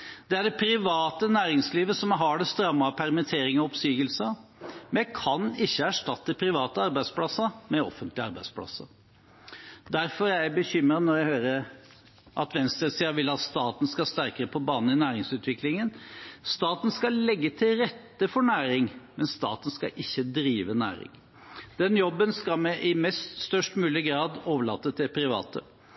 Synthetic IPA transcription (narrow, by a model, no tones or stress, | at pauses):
d̪̥ɛæɖɛpʰɾɪʋɑːt̪ənæːɾɪŋsliːʋəsɔmɦɑɖɛst̪ɾɑmːɑpʰæɾmɪt̪ʰeːɾɪŋɔɔpsyːɡəlsəmɛækʰɑnɪçːəæʂʈɑt̪ːəəpʰɾɪʋɑːt̪əɑɾbæɪsplɑsːəmɛɔ̰fənt̪ʰlɪɑɾbæɪd̪spʰlɑ̰sə̰ | d̪æɾfɔɾjæɪbəçʏmɾənɔɾjæɪhøːɾəɾ | ʔɑt̪ʋɛnst̪ɾəsiːɑʋɪlɑt̪st̪ɑːt̪n̩skɑst̪æɾkəɾəpʰɔbɑːnn̩ɪnæːɾɪŋsʉːt̪ʰʋɪklɪŋənst̪ɑːt̪n̩skɑllɛɡːət̪ʰɪlɾɛt̪ːəfɔɳæːɾɪŋmɛnst̪ɑ̰ːt̪n̩skɑ̰ʔɪçːəd̪ɾiːʋənæ̰ːɾɪ̰ŋ | d̪̥ɛnjɔbːənskɑlmɛʔɪmɛst̪st̪œʂʈmʉːlɪɡɾɑːd̪oːʋəɭɑ̰t̪ːət̪ʰːɪlpʰɾɪʋɑ̰ːt̪ʰə̰